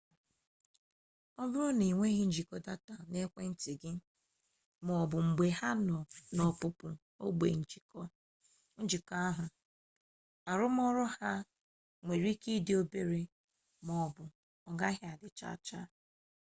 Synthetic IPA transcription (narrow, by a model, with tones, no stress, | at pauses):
ɔ˦bʊ˦ɾʊ˦ni˨ŋʷe˦ɣɪ˦n̩˦d͡ʒi˨kɔ˦da˦ta˨ne˦kʷe˦n̩˦ti˨ɡɪ˦ | mɔ˨bʊ˨ŋ͡m̩˨ɡ͡be˨ha˦n˨nɔ˨pʊ˦pʊ˨ | o˦ɡ͡bʷḛ˨n̩˨d͡ʒi˨kɔ˦ | n̩˦d͡ʒi˨kɔ˦a˦ɦʊ˨ | a˨ɾʊ˦m˦ɔ˦ɾɔ˦ha˦ | ŋʷe˨ɾi˦ki˦dɪ˦o˦be˦ɾe˦ | mɔ˨bʊ˨ | ɔ˨ɡa˦ɦa˨dɪ˨t͡ʃa̰˦˨t͡ʃa˦